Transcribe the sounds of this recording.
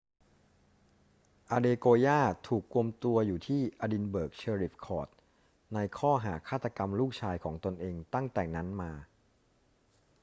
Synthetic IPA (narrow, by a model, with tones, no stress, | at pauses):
ʔaː˧deː˧koː˧jaː˥˩t̪ʰuː˨˩kːu˧əmt̪u˧ɐjuː˨˩t̪ʰiː˥˩ʔa˧di˧nbɤː˨˩k̚t͡ɕʰeː˧ɾi˨˩p̚kʰɔː˨˩t̪̚ | na˧jkʰɔː˥˩ɦaː˩˦kʰaː˥˩t̪ːa˧ka˧mluː˥˩k̚t͡ɕʰaː˧jkʰɔː˩˦ŋt̪o˧nʔeː˧ŋt̪a˥˩ŋt̪ɛː˨˩ŋna˦˥nmaː˧